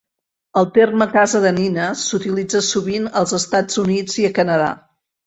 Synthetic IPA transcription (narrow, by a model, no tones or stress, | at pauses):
əlˠt̪erməkazəðəninəsut̪ilid͡zəsuβinəlˠzəst̪ad͡zunid͡ziəkənəða̰